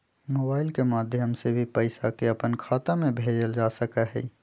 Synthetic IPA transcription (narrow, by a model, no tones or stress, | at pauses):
moːbaːɪlkemaːd̪ʱjəmsebʱipəɪsakeɐpənkʰaːt̪amẽbʱeːd͡ʒəld͡ʒaːsəkaɦɛ̰ː